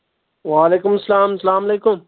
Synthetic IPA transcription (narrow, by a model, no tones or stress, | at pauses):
ʋaːleːkʊmɐsːɐlaːmsɐlaːmɐleːkʊm